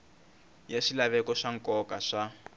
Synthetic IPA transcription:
jaʂilaβɛkɔʂaŋkɔkaʂa

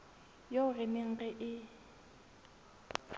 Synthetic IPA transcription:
joʊrɪmɪŋ̩ɣɛʔɪ

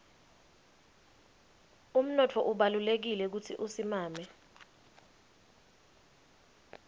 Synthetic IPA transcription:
um̩nɔtʰɔʔuɓalulek̬ilɛk̬utʰiʔusimaːmɛ

